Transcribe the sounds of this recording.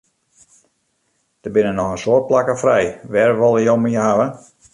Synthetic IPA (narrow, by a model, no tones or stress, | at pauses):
d̥əbɪnənɔxənsoət̚plakəfrɛjʋɛrʋɔlˠəjowmiəɦaʋə